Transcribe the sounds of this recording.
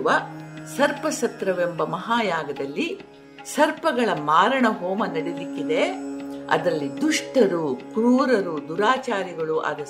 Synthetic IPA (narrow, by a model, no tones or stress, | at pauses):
ʋɐsɐɾpɐsɐt̪ɾɐʋembɐmɐɦaːjaːɡɐd̪ɐlːi | sɐɾpɐɡɐɭɐmaːɾɐɳɐɦɔːmɐnɐɽelikːid̪e̞ɐ̰d̪ɾɐlːid̪uʂʈɐɾukɾuːɾɐɾud̪uɾaːt͡ʃaːɾiɡɐɭuʔɐ̰d̪ɐ